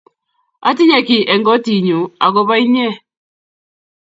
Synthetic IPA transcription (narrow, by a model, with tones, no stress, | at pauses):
a̰˨ti˦ɲɛ˨ki˨ʔɛ˨ŋɡɔ˦ti˨ɲu˨a˨ɡɔ˦βa˦i˦ɲɛ˦˨